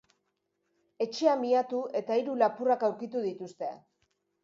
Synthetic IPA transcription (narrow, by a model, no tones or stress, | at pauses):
e̞t͡ʃe̞amiat̪ue̞t̪aiɾulapurakawɾkit̪uðit̪ust̪e̞